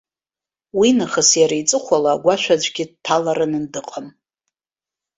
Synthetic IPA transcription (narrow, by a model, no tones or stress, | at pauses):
winɨχəsjaɾajt͡sʼɨχʷalaɡʷaʃʷᶣad͡ʑʷʼɡʲɪdtʰalaɾɨnɨndɨqʼam